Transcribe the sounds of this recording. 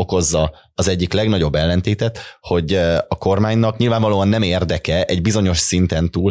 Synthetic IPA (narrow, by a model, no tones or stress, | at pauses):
o̞ko̞zːɒ | ɒzɛɟːiklɛɡnɒɟo̞bːɛlːɛnt̪eːt̪ɛt̪ho̞ɟɒko̞rmaːɲnɒkɲilvaːɱvɒloːɒnːɛmeːrd̪ɛkɛʔɛɟbizo̞ɲo̞ʃsint̪ɛnt̪uːl